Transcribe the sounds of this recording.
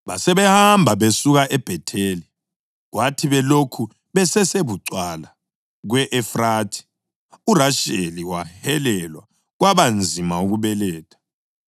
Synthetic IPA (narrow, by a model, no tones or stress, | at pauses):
βasɛβɛhambʱaβesuɣaʔɛb̥ʱɛtʰeːli | ɣwatʰiβɛlokʰu | βɛsɛseβuǀwala | ɣwɛʔɛfraːtʰi̥ | uraʃeliwahɛlɛlwa̰ | ɣwaβand͡zʱimauɣuβɛlɛːtʰʼḁ